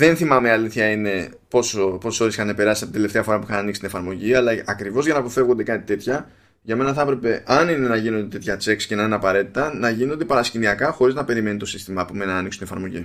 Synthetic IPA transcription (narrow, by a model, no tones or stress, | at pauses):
ðe̞nθimɐmeɐliθçɐine̞ | po̞sopo̞sso̞ɾesi̥xɐnepe̞ɾɐsisɐpot̪d̪eleft̪eɐfo̞ɾɐpuixɐnɐnikst̪inefɐɾmo̞ʝiɐlɐɐkɾivo̞zʝɐnɐːpoθe̞vɣond̪e̞kɐt̪i̥t̪e̞t̪çɐ | ʝɐme̞nɐθɐpɾe̞pe̞ʔɐnine̞nɐʝino̞nd̪et̪e̞t̪çɐt͡se̞kscenɐinɐpɐɾe̞t̪i̥t̪ɐnɐʝino̞nd̪e̞pɐɾɐsciniɐkɐxo̞ɾiznɐpe̞ɾime̞nit̪o̞sist̪imɐːpomenɐːniksu̥nt̪inefɐɾmo̞ʝḭ